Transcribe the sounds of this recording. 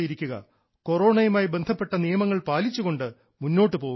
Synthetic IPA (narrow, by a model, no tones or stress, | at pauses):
jiɾikʲːuɣɐ̰ | ko̞ro̞ːɳɐjumaːjibe̞nd̪ʱɐpːe̞ʈːɐnijɐmɐŋːɐɭpaːlit͡ɕːuɣo̞ɳɖɨ | munːo̞ːʈːɨpo̞ːu